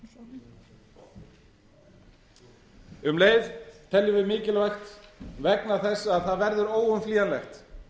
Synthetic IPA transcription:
ʏmleːjðt̪ʰɛljʏvɪðmɪːcɪlvajxt̪vɛknaθɛsːaaðθaðvɛɾðʏɾoːwʏmfliːanlɛxt̪

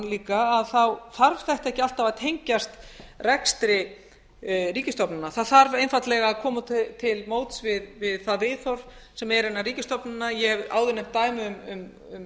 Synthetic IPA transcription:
liːkaːðθawθaɾv̥θɛht̪aɛhcɪal̥t̪avaðt̪ʰejɲcast̪rɛkst̪ɾɪ | riːcɪst̪ɔpnɪnːaθaðθaɾvejnfat̪lɛɣakʰɔːmatt̪ʰɪlmoːwt̪svɪðvɪðθaðvɪːθɔɾ̥ | sɛmɛɾɛnːariːcɪst̪ɔpnɪnːajɛhɛva̰ːwðʏnːɛm̥t̪ːaːjmɪʏmʏm | ʏm

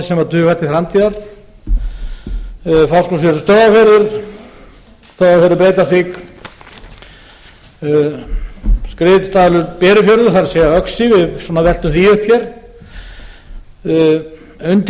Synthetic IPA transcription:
sɛmaɾt̪ʰʏːkat̪ɪθɾamt̪ʰiðaɾ̥ | fawskɔsvɛɾsst̪owðafɛɾðʏɾ̥ | st̪owðafɛɾɪɾpɾeːjt̪aθik | skɾɪːt̪st̪aðlʏɾpɛːɾʏfjœɾðʏθaɾasɛːɣaœksɪvɪðswɔnavɛl̥t̪ʏmθiʏhpçɛɾ̥ | ʏnt̪

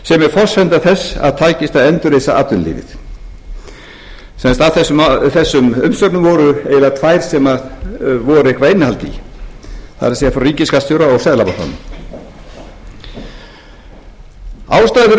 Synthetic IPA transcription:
sɛmɛɾ̥fɔr̥sfɛnt̪aθɛsːa̰ðt̪ʰaːjcɪst̪aðɛnt̪ʏɾejsaa̰t̪ːʏnlḭːvɪ̰ð | sɛnst̪avθɛsθɛsːʏmʏmsœp̪nʏmvɔːɾʏɛjɪlat̪ʰvajɾ̥sɛmaðvɔɾʏɪhkɾaenɪhalt̪ḭ | θaðɾsɛafɾaɾiːcɪskast̪ʏɾaɔɣsɛðlapat̪a̰nʏm | a̰ːwst̪aːðɪ

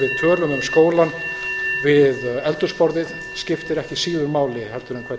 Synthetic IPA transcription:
vɪðt̪ʰœːlʏmɪnskoːwlanvɪðɛlt̪ʏspɔɾðɪð | scɪft̪ɪɾɛhcɪsiːðʏɾmaːwlɪhɛlt̪ʏɾʏmkʰvɛ

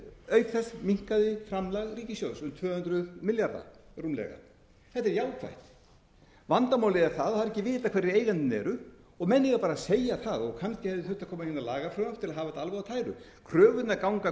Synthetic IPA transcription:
œɥt̪θɛsmiŋ̥kaðɪfɾamlaɣriːcɪsjowsʏmt̪ʰvœːhʏnt̪ɾʏðmɪljaɾða̰rumlɛ̰ɣa̰ | θɛht̪ɛɾjaːwkʰva̰jht̪ | vant̪amaːwlɪɛɾθaðaðɾɛcːɪvɪːt̪akʰvɛrːɪeːjɣant̪ɪnɛ̰ɾʏ | ɔɣmɛnːɪɣapaːɾaseːjaθaðɔɣkʰanscɪhɛvðɪθʏht̪akʰɔːmahɪnːalaːɣafɾœaft̪ʰɪlaɦaːvaɛt̪alvaɣat̪ʰaːjɾʏ̰ | kʰɾœːvʏt̪nakawŋka

